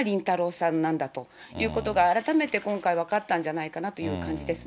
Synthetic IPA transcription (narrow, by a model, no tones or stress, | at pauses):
ɾʲĩnt̪aɾo̞ːsãnːãnd̪at̪o̞jʔɯ̟ːko̞t̪o̞ɡaːɾat̪ame̞t̪e̞kõ̞ŋkaiβakat̪ːãɲ̟d͡ʑanaikanat̪o̞jɯ̟ːkãɲ̟d͡ʑid̪e̞sɨ